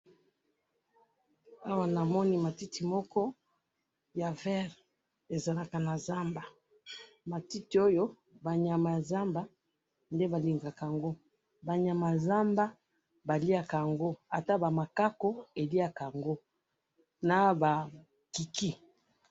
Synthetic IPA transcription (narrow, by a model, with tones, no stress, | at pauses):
a˦wa˦na˨mɔ˦ni˦ma˨ti˦ti˨mɔ˦kɔ˦ | ja˨vɛ˦ʁ | e˨za˨la˦ka˨na˨za˦mba˨ | ma˨ti˦ti˨o˦jo˦ | ba˨ɲa˨ma˨ja˨za˦mba˦ | nde˦ba˨li˨ŋɡa˨ka˨ŋɡo˦ | ba˨ɲa˨ma˨ja˨za˦mba˦ | ba˨li˦a˨ka˨ŋɡo˦a˨ta˦ba˨ma˨ka˦ko˦e˨li˦a˨ka˨ŋɡo˦ | na˨ba˨ | ki˨ki˦